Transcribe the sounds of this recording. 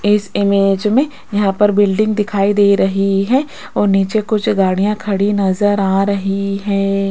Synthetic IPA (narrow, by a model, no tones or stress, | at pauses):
ɪsɪmeːd͡ʒmẽ | jɐɦãpɐɾbɪlɖɪ̃ŋɡd̪ɪkʰaːid̪eːɾɐɦiɦɛː | ɔːɾniːt͡ʃekʊt͡ʃʰɡaːɽijãkʰɐɽinɐzəɾaːɾɐɦiɦɛ̃ː